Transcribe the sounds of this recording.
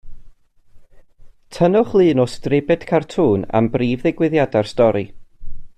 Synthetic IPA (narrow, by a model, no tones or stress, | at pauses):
tʰənʊχlˠɨːnɔstrɪbɛd̥kʰartʰuːna̰mbriːvðɪɡwɪðjadarstɔɾi